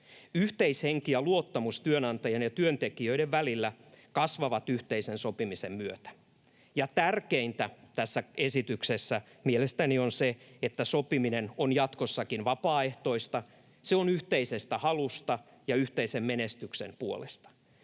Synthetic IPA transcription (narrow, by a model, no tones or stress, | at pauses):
yht̪eisheŋkiæluot̪ːɑmust̪yønɑnt̪ɑjɑnjɑt̪yønt̪ekiøiɾeʋʋælilːækɑsʋɑʋɑt̪yht̪eisensopimisemmyøt̪æ̥ | jɑt̪ærkeint̪æt̪æsːæesit̪yksesːæ | mielest̪ænionseet̪ːæsopiminenonjɑt̪kosːɑkinʋɑpɑːeht̪o̞ist̪ɑ | seonyht̪eisest̪æhɑlust̪ɑ | jɑyht̪eisemmenest̪yksḛmpuolest̪ɑ̥